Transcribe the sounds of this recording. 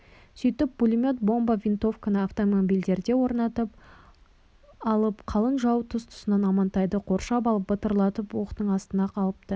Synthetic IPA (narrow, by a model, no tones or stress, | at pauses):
sʏjt̪ɪp̚b̥ulʲimʲo̞t̪̚bo̞mbavʲint̪o̞fkanəaft̪o̞mobʲijld̪e̞ɾd̪e̞wo̞ɾnɑt̪əp̚ | ɑlˠəpqʰɑlˠənʒɑwt̪ʰʊst̪ʰʊ̥sənɑnɑmɑnt̪ɑjd̪əqʰo̞ɾʃɑpɑlˠəp̚bət̪əɾlˠɑt̪əpwoqə̥t̪əɴɑst̪ənɑqʰɑlˠəp̚t̪ə